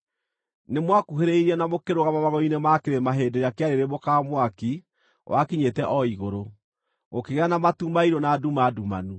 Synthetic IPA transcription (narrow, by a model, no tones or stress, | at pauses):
nemwakuɦeɾeiɾiɛnamokeɾoɣamamaɣɔinemakeɾemaɦeːdeɾeakeaɾeɾemokamwaki | wʔakiɲetɛʔɔiɣoɾo | okeɣɛanamatumaiɾonaːdumaduma̰nu